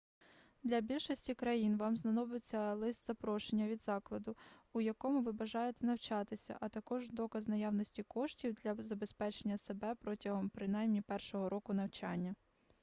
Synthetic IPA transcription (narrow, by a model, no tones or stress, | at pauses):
d̪lʲɐbʲilʲʃɔsʲtʲikɾɐjinʋɑmznɐnɔbet͡sʲːɐlˠɪst̪z̥ɐpɾɔʃenʲːɐʋʲid̪zɑklˠɐd̪ʊːjɐkɔmʊʋɪbɐʒɑjet̪ɛnɐwt͡ʃɑt̪ɪsʲɐ̰ʔɐt̪ɐkɔʒd̪ɔkɐznɐjɑwnɔsʲtʲikɔʃtʲiwd̪lʲɐzɐbe̞spɛt͡ʃenʲːɐse̞bɛpɾɔtʲɐɦɔmpɾɪnɑjmnʲipɛrʃɔɦɔɾɔkʊn̪ɐwt͡ʃɑ̰nʲːɐ